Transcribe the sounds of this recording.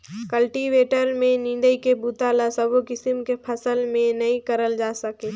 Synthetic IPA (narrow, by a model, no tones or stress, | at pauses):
kəlʈiʋeːʈəɾmẽnɪ̃nd̪əikebut̪aːlasɐbokɪsɪmkepʰɐsəlmẽnɐĩkɐɾəld͡ʒaːsɐkeː